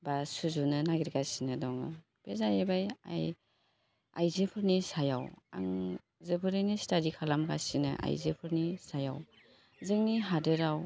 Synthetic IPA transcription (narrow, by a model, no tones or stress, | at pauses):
basuzunɯnaɡiɾɡasinɯdɔŋɯ | pezajebaja̰j | a̰jzepʰɯɾnisajawa̰ŋ | zɯbʰɯɾɯjnistaɾikʰalamɡasinɯ̰ʔa̰jzepʰɯɾnisaja̰w | zɯŋniɦadɯɾaw